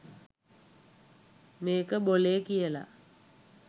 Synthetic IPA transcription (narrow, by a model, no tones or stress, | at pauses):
meːkəboleːkijəla̰